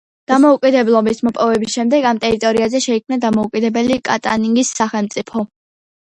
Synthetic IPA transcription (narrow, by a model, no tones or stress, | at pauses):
d̪̥amɔukʼid̪ɛblˠɔbismɔpʼɔvɛbisʃɛmd̪ɛɡamt̪ʼɛɾit̪ʼɔɾiazɛʃɛikʰmnad̪amɔukʼid̪ɛbɛlikʼat̪ʼaniŋɡisːaχɛlˠmt̪sʼipʰɔ